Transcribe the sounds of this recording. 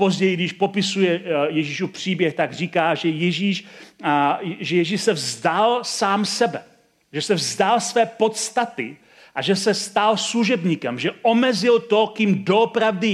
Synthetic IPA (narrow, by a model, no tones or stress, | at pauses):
po̞zɟɛjɪɡdɪʃpo̞pɪsujɛjɛʒiːʃupr̝̥iːbjɛxt̪aɡr̝iːkaːʒɛjɛʒiːʃ | ʒɛjɛʒiːʃsɛvzdalsaːmsɛbɛ | ʒɛsɛvzdalsvɛːpo̞t̪st̪at̪ɪ̰ | ʔaʒɛsɛst̪alsluʒɛbɲiːkɛmʒɛʔomɛzɪlt̪o̞kimdoopɾavdɪ